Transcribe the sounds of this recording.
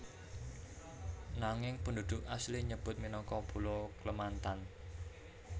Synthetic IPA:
naŋɪŋpənd̪ud̪̥ʊkasliɲəb̥ʊt̪̚minɔŋkɔb̥ulokləmant̪an

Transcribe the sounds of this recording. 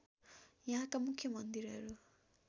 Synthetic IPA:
jaɦãkamukʰːjʌmʌnd̪iɾɦʌɾu

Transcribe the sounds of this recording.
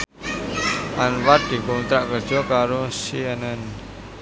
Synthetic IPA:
ʔanwat̪̚d̪̥i̤kɔnt̪ɾaʔkərd̥ʒ̥ɔ̤kaɾosiənən

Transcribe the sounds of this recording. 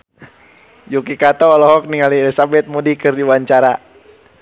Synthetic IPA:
jukikat̪aɔlɔɦɔk̚niŋalielisabɛt̪̚modikɨrdiwaɲt͡ʃaɾa

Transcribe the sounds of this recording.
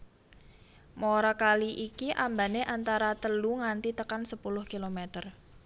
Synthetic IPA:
moɾakaliʔikiʔambaneʔant̪aɾat̪əluŋant̪it̪əkansəpulʊhkilomet̪ər

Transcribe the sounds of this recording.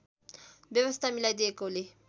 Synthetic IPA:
bjəʋəst̪ʰamilajd̪eekole

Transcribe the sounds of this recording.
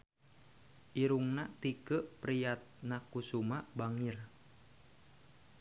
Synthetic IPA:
ʔiɾuŋnat̪ikəʔpɾijat̪̚nakusumaʔbaŋir

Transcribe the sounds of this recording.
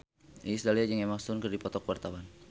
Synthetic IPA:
ʔisdaliad͡ʒəŋɛmaksunkɨrdipɔt̪ɔkwart̪awan

